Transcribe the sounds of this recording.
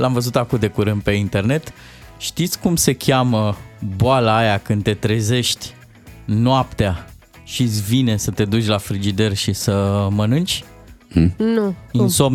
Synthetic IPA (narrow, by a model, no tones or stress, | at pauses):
lamvəzut̪akud̪e̞kuɾɨnd̪̚pe̞int̪e̞rne̞t̪ | ʃt̪it̪sʲkumse̞kʲaməboalaːjakɨnd̪t̪e̞t̪ɾe̞ze̞ʃt̪ʲ | noap̚t̪ea | ʃisʲvine̞sət̪e̞d̪ut͡ʃʲlafɾid͡ʒid̪erʲʃisəmənɨnt͡ʃʲ | nuinsom